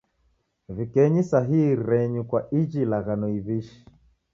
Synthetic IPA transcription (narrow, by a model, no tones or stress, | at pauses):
vikɛɲisaɦihiɾɛɲukwaid͡ʒilaɣanɔiβiʃi̥